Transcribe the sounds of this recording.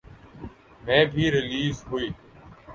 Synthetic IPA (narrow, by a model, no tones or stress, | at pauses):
mẽːbʱiːɾɪliːzɦuiː